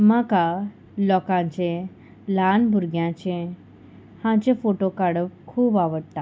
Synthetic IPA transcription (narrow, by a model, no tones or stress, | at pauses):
maka | lɔkãɲt͡ɕẽ | lanbʱuɾɡjãt͡ɕẽ | hãt͡ɕẽfoʈokaɽəpkʰuːbaʋəɽt̪a